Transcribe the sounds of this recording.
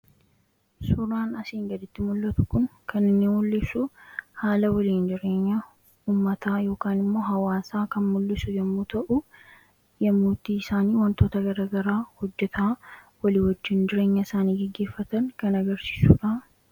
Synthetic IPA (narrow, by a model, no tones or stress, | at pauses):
sʊɾaːnɐsiːŋɡɐd̪ɪt̪ːɪmʊlːɐt̪ʊ̥kʊnkɐnːɪnːeːnmʊlːɪsʊhaːlɐwɐliːnd͡ʒɪɾe̞ːɲːɐ | uːmːɐt̪aːjo̞ːkaːnɪmːo̞ːɦɐwaːsaːkɐnmʊlːɪsʊjɐmːuːt̪ɐʔʊ | jɐmːuːt̪ːiːɪsaːniːwɐnt̪o̞ːt̪ɐɡɐɾaːɡɐɾaːhɔd͡ʒːɛt̪ʰawɐliːwɐd͡ʒːɪnd͡ʒɪɾe̞ːɲːɐɪsaːniːɡɛɡːe̞ːfːɐt̪ɐnkɐnɐɡɐɾsi̥ːsṵːᶑɐ